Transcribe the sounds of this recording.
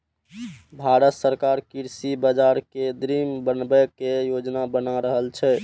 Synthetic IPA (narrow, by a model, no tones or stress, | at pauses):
bʱaɾət̪səɾkaɾkiɾsibəd͡ʒaɾked̪ɾimbənbɛkejod͡ʒnabənaɾəɦəlt͡ʃʰɛ